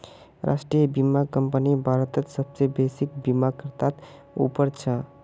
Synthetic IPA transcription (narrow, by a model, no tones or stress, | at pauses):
ɾʔa̰sʈɾijəbimakəmpənibʱaɾət̪ət̪səbsebesikbimakəɾt̪at̪ | ṵpəɾt͡ʃʰə